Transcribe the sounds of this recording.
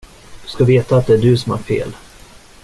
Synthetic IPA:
d̪̥ɵskaveːt̪aːt̪̚d̪ɛæɖɵsɔmæ̰ɾfḛːl

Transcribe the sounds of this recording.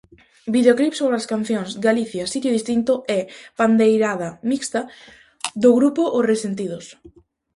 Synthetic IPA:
biðeoklipsoβɾaskan̟θjoŋsɡaliθjasit̪joðist̪int̪ʊɛpand̪ejɾaðamikst̪a | ðʊɣɾupʊʔʊresent̪̬ið̞ʊs

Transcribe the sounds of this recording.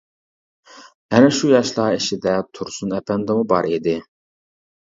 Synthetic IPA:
ɛnɛʃujɑʃlˠɑeʃid̪ɛt̪ʰuɾsunɛpɛnd̪ɛmubɑ̰ɾid̪ɪ

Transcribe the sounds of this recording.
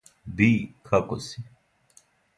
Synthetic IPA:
bikʰɐkosi

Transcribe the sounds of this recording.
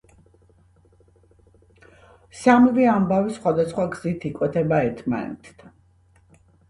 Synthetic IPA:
samviambavisχwad̪asχwaɡz̥it̪ʰikʼwɛt̪ʰɛbaɛɾt̪ʰma̰nɛ̰t̪ʰd̪a

